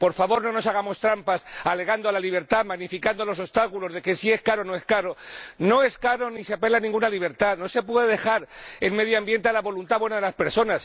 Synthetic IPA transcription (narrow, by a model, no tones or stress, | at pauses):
po̞ɾfaβo̞ɾno̞no̞saɣ̞amo̞st̪ɾampasale̞ɣand̪oalaliβ̞e̞ɾt̪amaɣnifikand̪o̞lo̞s̬o̞st̪akulo̞zðe̞ke̞sie̞skaɾo̞no̞e̞skaɾo̞no̞e̞skaɾo̞nise̞ape̞lanĩŋɡunaliβ̞e̞ɾt̪ano̞se̞pwe̞ðeðe̞xaɾe̞lme̞ðjoambje̞nt̪e̞alaβo̞lunt̪aβwe̞naðe̞laspe̞ɾso̞nas